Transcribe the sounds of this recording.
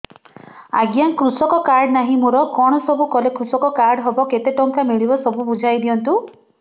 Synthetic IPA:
a̰ɡjaŋkɾusɔkɔkaɾɖnaɦĩmuɾɔkɔɽ̃ɔsɔbʱukɔlekɾusɔkɔkaɾɖɦɔbɔket̪eʈɔŋkamiɭibɔsɔbubud͡ʒʱajd̪iɔnt̪u

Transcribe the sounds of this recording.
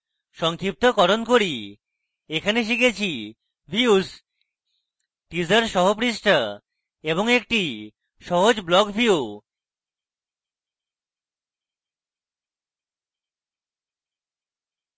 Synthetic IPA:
ʃɔŋkʰɾip̚t̪okɔɾonkoɾi | ekʰaneʃ̬iket͡ɕʰi | bʱius | ʈid͡ʑaɾʃɔɦopɾisʈa | eβoŋek̚ʈi | ʃɔɦod͡ʑblɔkfiu

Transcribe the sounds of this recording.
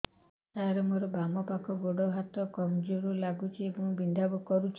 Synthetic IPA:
t̪aɾɔmoɾɔbamɔpakʰɔɡoɽɔɦat̪ɔkɔmd͡ʒoɾulaɡut͡ʃʰiebɔŋbind̪ʱabɔkɔɾut͡ʃʰ

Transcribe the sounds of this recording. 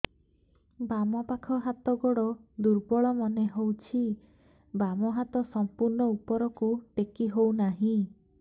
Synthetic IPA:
bamɔpakʰɔɦat̪ɔɡɔɽɔd̪uɾbɔɭɔmɔneɦowt͡ʃʰi | bamɔɦat̪ɔsɔmpuɾnɔupɔɾɔkuʈekiɦownaɦĩ

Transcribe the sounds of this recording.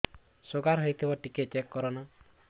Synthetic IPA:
soɡaɾɦɔjt̪ʰibɔʈiket͡ʃekːɔɾɔnɔ

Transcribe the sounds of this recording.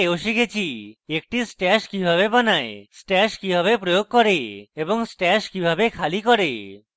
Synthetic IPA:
oʃikʰet͡ɕʰiek̚ʈisʈɛʃkibʱaβebanaesʈɛʃkibʱaβepɾojoɡ̚kɔɾeeboŋsʈɛʃkibʱabekʰalikɔɾe

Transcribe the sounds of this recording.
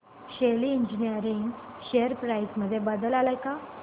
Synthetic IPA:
ɕeliiɲd͡ʑinijəɾiŋɡ | ɕeəɾpɾaisməd̪ʱːjebad̪əlalajka

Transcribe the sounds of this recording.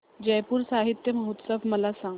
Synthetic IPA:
d͡ʑəjpuːɾsaɦit̪jəməɦut̪səfməlasãŋɡ

